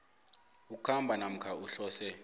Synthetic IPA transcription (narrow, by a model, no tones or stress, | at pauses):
uk̬ukʰambʱanam̩kʰauɬɔːsɛ